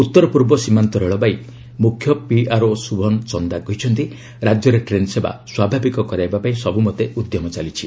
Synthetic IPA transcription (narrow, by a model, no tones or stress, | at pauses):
ut̪ːɔɾɔpuɾbɔsimant̪ɔɾeɭɔbaj | mukʰjɔpiaɾosubʱɔnt͡ʃɔnd̪aɡɔɦit͡ʃʰɔnt̪i | ɾad͡ʒjɔɾeʈɾenseba̰swabʱabikɔkɔɾaebapaĩsɔbumɔt̪eʔud̪jɔmɔt͡ʃalit͡ʃʰi